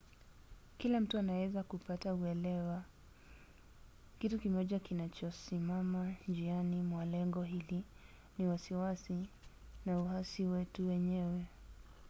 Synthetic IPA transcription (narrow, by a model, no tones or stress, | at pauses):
kilam̩tuanawɛzakupatauɛlɛwa | kitukimɔʄakinat͡ʃɔsimamad͡ʒianimwalɛŋɡɔɦili | niwasiwasi | nauhasiwɛtuwɛɲɛwɛ